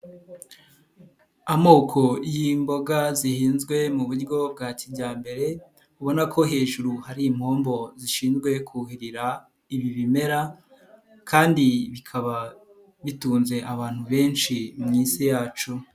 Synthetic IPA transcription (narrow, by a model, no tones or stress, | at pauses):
amo̞ːkʰo̞jimbo̞ɡazihiːnzɡwe̞muβuɾɡo̞b̚ɡaːcibɟaːmbe̞ɾe̞ | uβo̞nakʰo̞ɦe̞ːʒuɾuhaɾiːmho̞ːmbo̞ziʃiːnzɡwe̞kʰuhiɾiɾa | iβiβime̞ɾa | kʰaːndiβikʰaβa | βituːnze̞ʔaβaːn̥huβe̞ːnʃimŋiːsijaːt͡ʃu